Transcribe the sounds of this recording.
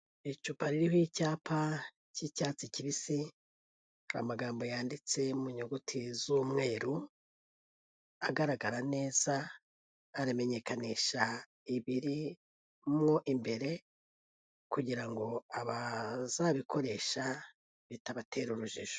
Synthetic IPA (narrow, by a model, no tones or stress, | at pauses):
it͡ʃupaɾiɾihoicaːpʰa | cicaːt͡siciβisi | haha̰maɡaːmbo̞jaːndit͡se̞muɲoɡutʰizuːmŋe̞ːɾu | aɡaɾaɡaɾane̞ːz̥aː | ɾame̞ɲe̞kaniʃa | iβiɾi | mŋo̞ʔimbe̞ɾe̞ | kuɟiɾaŋɡo̞aβazaβikʰo̞ɾe̞ʃa | βitaβatʰe̞ɾuɾuʒiʒ̥o̥